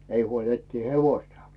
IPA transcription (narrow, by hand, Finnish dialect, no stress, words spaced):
ei huol etːiː heʋoĭstɑ̥